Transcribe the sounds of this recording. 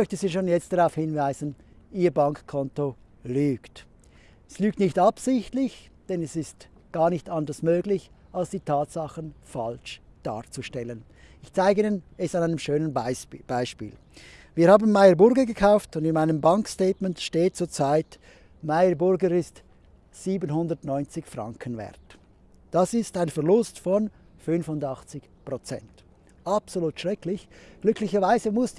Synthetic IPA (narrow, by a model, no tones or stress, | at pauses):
mœçtəziːʃoːnjɛt͡std̥aʁaʊfhɪnvaɪzən | ʔiːɐbɑŋkkʰːɔnto | lyːkt | ɛslyːk̚tnɪçtɑpsɪçtlɪç | d̥ɛnɛsɪst | ɡ̥aːʁnɪçtɑndəsmøːɡlɪç | ʔalsd̥iːtʰaːtsɑχənfa̰lʃd̥a̰ːʁt͡suʃtɛlən | ɪçt͡saɪɡəiːnənɛsanaɪnəmʃøːnənb̥aɪʃpḭːl | viːhaːbn̩maɪəbʊɾɡəɡəkʰaʊftʊndɪnmaɪnəmbɑŋkstɛːtmɛntʃteːt̚t͡suːɐt͡saɪt | maɪəbʊɾɡəɾɪst | z̥iːbənhʊndəɐtnɔʏnt͡sɪçfʁɑŋkʰənvɛ̰ɐt | d̥ɑsɪstaɪnfɛɐʁlʊstfɔn | fʏnfʊndɑχt͡sɪç | pʁot͡sɛ̰nt | ʔɑpsoluːtʃʁ̥ɛklɪçɡ̥lʏklɪçəvaɪzəmʊs